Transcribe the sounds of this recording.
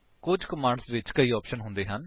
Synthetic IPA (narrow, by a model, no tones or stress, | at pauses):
kʊd͡ʒkəmaːɳɖsʋɪt͡ʃkəiːɔːpʃənɦʊ̃nd̪eːɦən